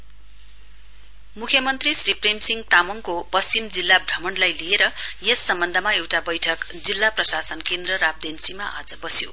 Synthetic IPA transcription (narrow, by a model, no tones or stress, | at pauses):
mukʰjʌmʌnt̪risripremsiŋɡt̪amʌŋkopʌst͡simd͡zilːabʱrʌmʌnlajlijeɾʌjesːʌmbʌnd̪ʱʌmaewʈabʌjʈʰʌk | d͡zilːaprʌsasʌnkend̪rʌɾab̚d̪ʱensimaʔa̰d͡zʌbʌsjo̰